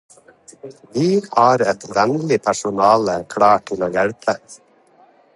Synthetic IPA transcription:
ʋiːhɑːɾɛt̪ʋɛnlɪpʰæʃʊnɑːləkʰɽɑːʈʰɪloːjɛɽpʰə

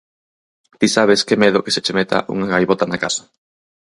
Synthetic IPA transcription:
t̪isaβ̞eskemeðʊke̥set͡ʃemet̪a̰ʔṵŋaɣajβot̪anakasḁ

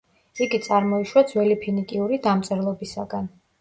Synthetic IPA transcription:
iɡit̪sʼaɾmɔiʃwad̪zwɛlipʰinikʼiuɾid̪amt̪sʼɛɾlˠɔbisaɡan

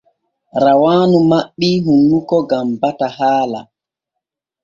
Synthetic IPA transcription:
ɾawaːnumaɓːiɦunːukɔɡambataɦaːla̰

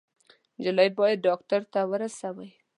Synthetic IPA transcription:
d͡ʒalajd̪̚bɑjad̪̚ɖɑktaɾt̪awəɾasawəj

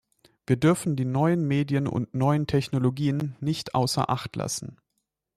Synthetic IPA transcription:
v̥iːɐdʏɐfn̩diːnɔʏənmeːdjənʊ̰ntnɔʏəntʰɛçnoloɡiːənːɪçtʔaʊsɐ̰ʔa̰χtla̰sn̩

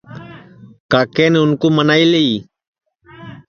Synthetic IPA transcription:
kaːkeːneːʊnkuːmənaːiːleiː

